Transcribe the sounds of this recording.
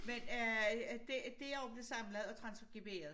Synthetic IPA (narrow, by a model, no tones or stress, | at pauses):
men | d̥ed̥e̝æɒmd̥esɑ̈mləð̩ˠɒ̽t͡sʰʁɑ̈nsfɡ̥ib̥e̝̰ːɐðˠ